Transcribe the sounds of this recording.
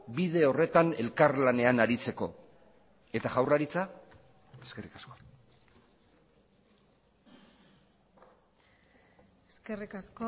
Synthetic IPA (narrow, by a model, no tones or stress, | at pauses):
biðe̞o̞re̞t̪ane̞lkarlane̞anaɾit͡se̞ko̞ | e̞t̪aɣawraɾit͡sa | e̞ske̞rikasko̞ | eskerikasko